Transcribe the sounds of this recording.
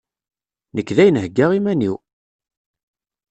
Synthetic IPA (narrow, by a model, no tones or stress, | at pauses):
nəkːðæjənɦəɡːaʁimæniw